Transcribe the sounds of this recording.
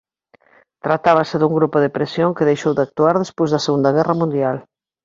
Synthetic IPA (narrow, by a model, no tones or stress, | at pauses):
t̪ɾat̪aβ̞ɐsɪðuŋɡɾupʊðepɾesjoŋkɪðejʃowðɪak̚t̪uaɾðespojzðɐseɣund̪ɐɣ̞ɛrɐmũnd̪jal